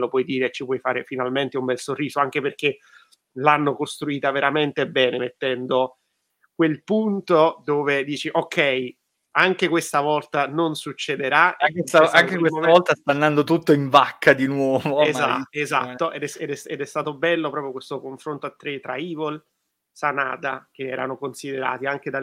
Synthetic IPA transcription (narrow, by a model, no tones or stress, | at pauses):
lopwɔjd̪iːɾet͡ʃipwɔjfaːɾefinalment̪eumbɛlsorːiːzoaŋk̟eperk̟e | lanːokost̪ɾuiːt̪aveɾament̪ebɛːnemet̪ːɛnd̪o | kwelpunt̪od̪oːved̪iːt͡ʃiʔokʰːɛj | aŋk̟ekwest̪avɔlt̪anonsut͡ʃːed̪eɾaakesaaŋkekwesoɔlt̪ast̪and̪and̪ot̪ut̪ːoiɱvakːad̪inwɔːvoeza̰eza̰t̪ːoʔed̪ɛsed̪ɛsɛd̪ɛst̪aːt̪obɛlːopɾɔːpjokwest̪okoɱfɾont̪oat̪ːɾet̪ɾa̰iːvol | sana̰ːd̪ak̟eɛːɾa̰nokonsid̪eɾa̰ːt̪iaŋk̟ed̪a